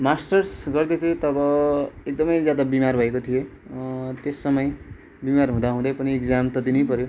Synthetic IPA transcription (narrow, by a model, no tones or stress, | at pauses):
masʈʌrsɡʌrd̪et̪ʰiet̪ʌbʌek̚d̪ʌmʌjd͡zjad̪abimarbʱʌekot̪ʰije | t̪esːʌmʌj | bimarɦũd̪aɦũd̪ʌjpʌniekd͡zamt̪ʌd̪inejpʌɾjo